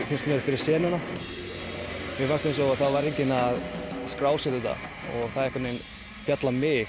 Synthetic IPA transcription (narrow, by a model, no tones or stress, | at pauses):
fɪnst̪mɛːɾfɪɾɪɾ̥sɛːnana | mɪfanst̪ensɔθaðvaɾejɲcɪnaðskɾaːwsɛðʏt̪a̰ | ɔɣθaðɛhkvat̪nɪn | fjat̪lamɪ